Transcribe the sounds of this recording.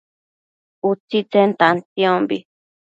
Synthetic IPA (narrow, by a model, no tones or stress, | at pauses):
ut͡sit͡sent̪ant̪ĩõmbi